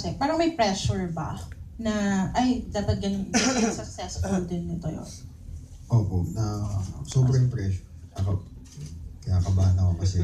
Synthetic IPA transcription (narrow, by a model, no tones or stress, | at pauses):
sɛpɛːɾɐŋmɐjpɾɛʃʊɹbɐ̰nɐʔɐjt̪aːt̪ɐd̪̚ɡɐnnsɐk̚sɛsfʊld̪ɪnːɪt̪ojo̰n | ʔoːponɐsoːbɾɐjʊŋpɾɛʃʊɹt̪akɐ | kɐjaːkɐbaːnɐkokɐsɛ